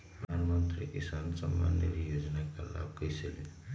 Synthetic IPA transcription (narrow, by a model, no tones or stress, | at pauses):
pɾəd̪ʱanmʌnt̪ɾiʔisansʌmːa̰nːjḛɾijod͡znakala̰b̚kʌjselin